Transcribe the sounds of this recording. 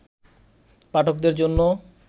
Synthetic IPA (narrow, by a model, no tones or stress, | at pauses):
paʈʰokd̪eɾd͡ʑonːo